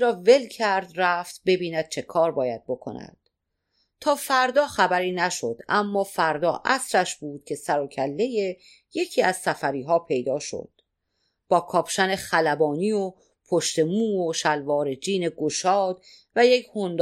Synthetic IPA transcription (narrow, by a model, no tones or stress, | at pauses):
ɾɒːve̞lcʰæɾd̪ræft̪be̞biːnæd̪̥̚t͡ʃʰe̞kʰɒːɾbɒːjæd̪̚bo̞kʰo̞̰næ̰d̪̥ | t̪ʰɒːfæɾd̪ɒːχæbæɾiːnæʃo̞d̪̥æmːɒːfæɾd̪ɒ̰ːʔæsɾæʃbuːd̪̥cʲʰe̞sæɾocʰælːe̞je̞ | je̞cʰiːæzsæfæɾiːɦɒːpʰe̞jd̪ɒːʃo̰d̪̥ | b̥ɒːkʰɒːpʃæne̞xælæbɒːniːo | pʰoʃt̪e̞muːoʃælvɒːɾe̞d͡ʒiːne̞ɡoʃɒːd̪̥̚ | væjekʰhond̪